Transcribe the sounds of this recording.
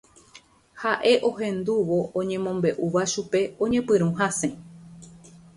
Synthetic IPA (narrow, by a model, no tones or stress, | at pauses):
haʔe̞ʔo̞ɦẽ̞nd̪uʋo̞ʔõɲẽ̞mõ̞mbe̞ʔuʋaʃupe̞õ̞ɲẽ̞pɨɾ̃ũɦasẽ